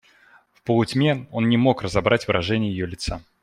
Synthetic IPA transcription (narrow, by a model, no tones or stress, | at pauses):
fpəlˠʊtʲmʲeo̞nnʲɪmo̞krəzɐbɾʔatʲvɨɾʔɐʐɛnʲɪjəjɪjolʲɪt̪sa